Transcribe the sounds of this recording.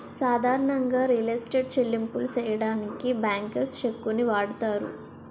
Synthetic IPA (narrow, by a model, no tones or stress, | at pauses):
saːd̪ʱaːɾɐɳɐŋɡaːɾilesʈeɖt͡ʃelːimpulut͡ʃɛːjɐɽaːnikibaːŋkɐɾst͡ʃekːuniʋaːɽut̪aːɾṵ